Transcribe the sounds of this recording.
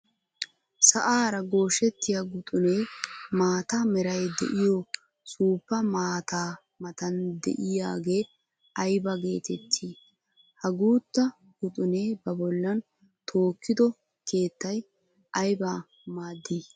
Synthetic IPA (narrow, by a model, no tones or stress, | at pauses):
sɐʔaːɾɐɡo̞ːʃɛt̪ːɪjaɡʊt̪ʼʊneːmaːt̪amɛɾɐjd̪ɛ̰ʔɪjɔ | suːpːɐmaːt̪aː | mɐt̪ɐnd̪ɛ̰ʔɪjaːɡe̞ː | ɐjbɐɡe̞ːt̪ɛt̪ʰːiː | hɐɡuːt̪ːɐ | ɡʊt̪ʼʊneːbɐbɔlːɐn | t̪ʰo̞ːkːɪd̪ɔ | ke̞ːt̪ːɐj | ɐjba | maːd̪ːiː